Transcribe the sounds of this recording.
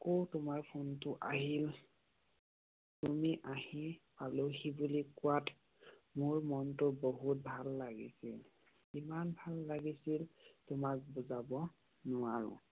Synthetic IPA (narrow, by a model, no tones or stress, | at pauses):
kotʊmaɹpʰuntʊʔaɦil | tumiʔahipalewxibulikʊwat | mʊɹmɔntʊbɔɦut̚bʱalːaɡḭsil | imanbʱalːaɡisiltʊmak̚buzabɔ | nʊaɹʊ̰̃